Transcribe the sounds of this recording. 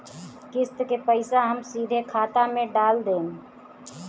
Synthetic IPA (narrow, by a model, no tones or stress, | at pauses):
kɪst̪kepəɪsaɦəmsiːd̪ʱekʰaːt̪amẽɖaːld̪ẽːn